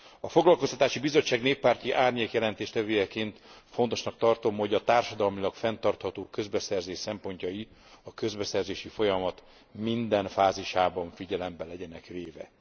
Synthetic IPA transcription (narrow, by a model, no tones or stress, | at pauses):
ɒfo̞ɡlɒlko̞st̪ɒ̥t̪aːʃibizo̞t͡ʃːaːɡneːpːaːrt̪iʔaːrɲeːkjɛlɛn̪t̪eːʃt̪ɛvøːjɛkeːnt̪fo̞nt̪o̞ʃnɒkt̪ɒrt̪o̞mho̞ɟɒt̪aːrʃɒd̪ɒlmilɒkfɛnt̪ɒrt̪hɒt̪oːkø̞zbɛsɛrzeːʃsɛmpo̞ɲcɒji | ɒkø̞zbɛsɛrzeːʃifo̞jɒmɒt̪ | mind̪ɛnfaːziʃaːbɒɱfiɟɛlɛmbɛlɛɟɛnɛkʋeːvɛ̰